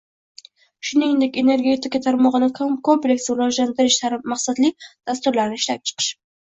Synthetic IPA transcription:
ʃʊnɪnd̪e̞kʲe̞ne̞ɾɡʲe̞t̪ɪkat̪ʰaɾmɒʁɨnɪkʰkʰomplʲe̞kʲslaʒlant̪ɪɾɪʃlaɾɪmaqsad̪lid̪̥ast̪ʊɾlaɾnɪʃlap̚ʲt͡ʃʰɨ̥qʰɨ̥ʃ

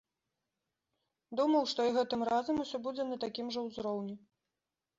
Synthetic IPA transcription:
d̪umɐwʂt̪ɔiɣɛt̪ɨmrazɐmusʲɔbud͡zʲɛnɐt̪akʲimʐɐwzɾɔwnʲi

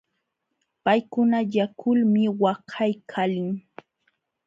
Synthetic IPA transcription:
pajkʊnajakʰʊlmɪwɑhʰajkʰalɪŋ

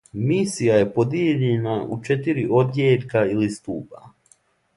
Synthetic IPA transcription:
misijaje̞po̞d̪jeʎenaʔut͡ʃe̞t̪iɾiʔo̞d̪jeːʎʲkailist̪uːpa

